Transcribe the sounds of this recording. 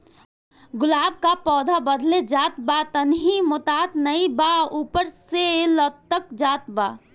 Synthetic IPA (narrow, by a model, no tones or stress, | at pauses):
ɡʊlaːb̚kapɔːd̪ʱabəd̪ʱled͡ʒaːt̪bat̪ənɦimʊt̪aːt̪nəibaupəɾselət̪ːəkd͡ʒaːt̪̚ba